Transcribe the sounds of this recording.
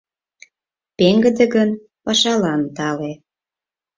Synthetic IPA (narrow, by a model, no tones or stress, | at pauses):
peŋɡə̆d̪ĕɡən | pɑʃɑlɑnt̪ɑle